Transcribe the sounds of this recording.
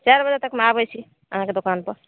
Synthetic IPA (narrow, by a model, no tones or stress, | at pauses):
t͡ʃaɾbəd͡ʒat̪əkmeabɛjt͡ʃʰi | ə̰ɦãked̪okanpəɾ